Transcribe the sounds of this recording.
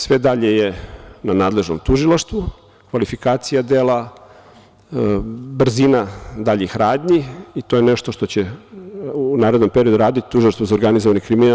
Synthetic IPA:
sʋed̪aʎejenanaːd̪le̞ʒnomt̪uʒilˠaʃt̪ʋu | kʋalifikaːt̪sijad̪eːla | br̩zinad̪aʎixɾaːd̪ɲiit̪o̞jeneʃt̪oʃt̪o̞t͡ɕe | uːnaːɾed̪no̞mpeɾio̞d̪uɾaːd̪it̪i̥t̪uʒilaʃt̪vozaoɾɡanizoʋanikɾimina

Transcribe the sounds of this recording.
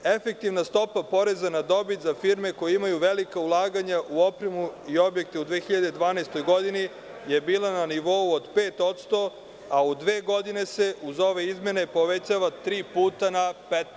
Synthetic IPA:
e̞fe̞k̚t̪iʋnast̪o̞papo̞ɾe̞zanad̪o̞bit̪zafiɾme̞ko̞jeimajuʋe̞likaulˠaːɡaɲaʔuo̞pɾemuio̞bjek̚t̪eud̪ʋe̞ːxiʎad̪e̞d̪ʋaːnaest̪o̞jɡo̞d̪ini | je̞biːlˠananiʋo̞uod̪peːt̪o̞t̪st̪o̞ | aud̪ʋe̞ːɡo̞d̪ine̞se̞ʔuzo̞ʋe̞izme̞ne̞po̞ʋet͡ɕaʋat̪ɾiːpuːt̪anapet̪

